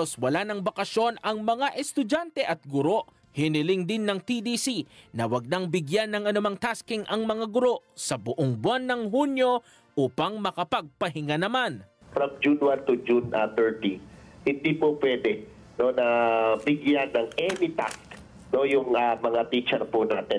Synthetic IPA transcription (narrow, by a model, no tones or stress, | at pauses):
oswɐlanɐŋbɐkɐʃjo̞nɐŋmɐŋaʔɛst̪ʊd͡ʒant̪ɛʔɐt̪̚ɡʊɾo̞ʔ | hɪnɪlɪŋd̪ɪnːɐŋt̪id̪isinɐwɐɡ̚nɐŋbɪɡjanːɐŋɐnʊmaŋt̪askɪŋʔɐŋmɐŋaɡʊɾo̞ʔsɐbʊʔoŋbwanːɐŋɦunjo̞ | ʔupɐŋmɐkɐpɐɡ̚pɐɦɪŋanɐman | fɾɐmd͡ʒunwant̪ʊd͡ʒunɐt̪ɛɹt̪inhɪnd̪iːpopwɛːd̪ɛ | no̞nɐbɪɡjanːɐŋɛnɪt̪a̰sk | no̞jʊŋɐmɐŋat̪it͡ʃɛɾpunaːt̪ɛ